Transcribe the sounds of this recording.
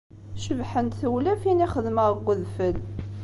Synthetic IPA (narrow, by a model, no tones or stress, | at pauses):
ʃəvħənt̪θəwlæfiniχəðməʁɡʷəðfəl